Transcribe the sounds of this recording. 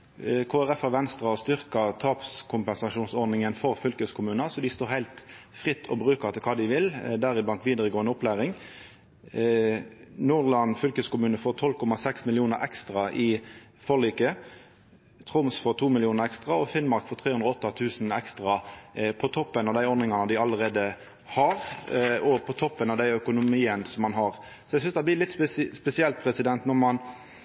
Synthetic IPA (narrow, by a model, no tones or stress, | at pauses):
kʰoːæʁɛfæʁʋɛnst̪ʁɑɔst̪ʏʁkət̪ʰɑːpskʰʊmpɛnsɑʃuːnsɔɾd̪nɪŋənfɔʁfʏlkəskʰʊmʉːnəsɔd̪ɪst̪oːɾhæɪlt̪ | fʁɪt̪ːʰɔbʁʉːkəʁt̪ʰɪlkʰɑːd̪ɪʋɪld̪æɾɪblɑnt̪ʋiːd̪əʁəɡoːɛnɔplæːʁɪŋ | nuːɾlɑnfʏlkəskʊmʉːnəfoːt̪ʰɔlːkʰɔmɑsɛksmɪlɪuːnəɾɛkst̪ʁɑʔɪ | fɔliːkə | t̪ʰʁʊmsfoːt̪ʰuːmɪlɪuːnəɾɛkst̪ʁɑɔfɪnmɑɾkfoːɾt̪ʰʁeːʉnd̪ɾɔɔt̪ːɑt̪ʰʉːsn̩ɛkst̪ʁɑpʰɔt̪ʰɔpːənɑʋd̪æɪɔnɪŋɑnəd̪ɪɑləʁeːd̪ə | hɑɾɔpʰɔt̪ʰɔpːənɑʋd̪æɪœkʊnʊmiːənsɔmːɑnɦɑɾ | sɔæɪsʏnsd̪æblɪlɪt̪ssspɛsɪɛlt̪̚pʰɾɛsɪd̪ɛnt̪nɔɾmɑn